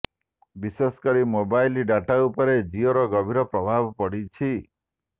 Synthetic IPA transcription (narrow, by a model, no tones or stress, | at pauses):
bisesɔ̥kɔɾimobajliɖaʈaupɔɾed͡ʒioɾɔɡɔbʱiɾɔpɾɔbʱabɔpɔɽit͡ʃʰi